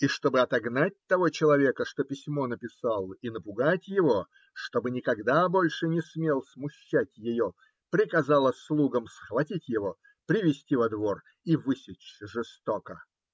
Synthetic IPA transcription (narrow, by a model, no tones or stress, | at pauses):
iʂt̪o̞bɨɐt̪ɐɡnat̚ʲt̪ɐvo̞t͡ɕɪlˠɐvʲe̞kəʂt̪o̞pʲɪsʲmo̞nəpʲɪsalˠinəpʊɡatʲjɪvo̞ | ʂt̪o̞bɨnʲɪkɐɡd̪abo̞lʲʂɨnʲɪsmʲelˠsmʊɕːætʲjɪjo | pɾʲɪkɐzalˠəslˠuɡəmsxvɐtʲitʲjɪvo̞ | pɾʲɪvʲɪsʲtʲivɐd̪vo̞r | ivɨsʲɪt͡ɕʐɨst̪okə